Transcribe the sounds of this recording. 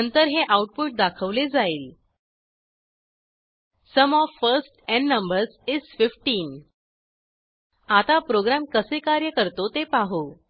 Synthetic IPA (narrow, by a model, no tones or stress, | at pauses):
ənt̪əɾɦeʔauʈ̚puʈ̚d̪akʰəʋled͡zaiːl | səmɔfːəɾsʈɛ̃ɳːəmbəɾsizfifʈiːn | at̪apɾoɡɾamkəsekaɾjəkəɾt̪ot̪epaɦo